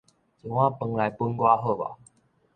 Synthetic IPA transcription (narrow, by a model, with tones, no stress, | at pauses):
t͡su˨˩w̃ã˦˨pə˧ŋla˨˦jpu˦nɡwa˦ɦo˥˧˨ba̰˨